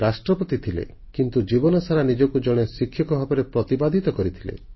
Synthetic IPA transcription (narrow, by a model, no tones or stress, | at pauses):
ɾasʈɾɔpɔt̪it̪ʰilḛ | kint̪ud͡ʒibɔnɔsaɾanid͡ʒɔkud͡ʒɔɽ̃esikʰːjɔkɔbʱapɔɾepɾɔt̪ibad̪ʱit̪ɔkɔɾit̪ʰilḛ